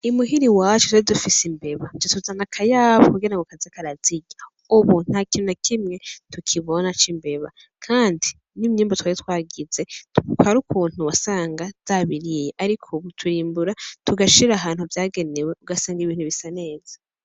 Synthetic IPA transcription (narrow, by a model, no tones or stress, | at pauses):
imuɦiɾiwaːt͡ʃu̥twaidufisimbe̞βad͡ʒetuzanakʰajaːβokuɡiɾaŋɡokazekaɾaz̥iɟa | uβun̥hakinunakʰimŋe̞tukʰiβo̞nat͡ʃimbe̞βa̰ | kʰaːndi | nimɲiːmbotwaːɾitwaːɡize̞kwaɾukʰuːn̥huwasaːŋɡaz̥aβiɾijeʔaɾikʰoβutʰuɾiːmbuɾatuɡaʃiɾaːɦaːnhuvjaːɡe̞newe̞uɡasaːŋɡiβiːn̥uβisane̞ːz̥ḁ